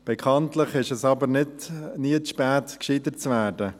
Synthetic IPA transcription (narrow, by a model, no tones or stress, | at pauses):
b̥ɛkʰɑntlɪχɪʃɛsɑbəɾnɪdniəʃpɛːtkʃidət͡svæːɾdə